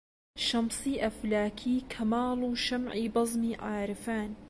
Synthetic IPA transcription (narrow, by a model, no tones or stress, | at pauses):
ʃɐmsˤiːʔɐflaːkʰiːkʰɐmaːluːʃɐmʕiːbɑzˤmiːʕaːɾɨfaːn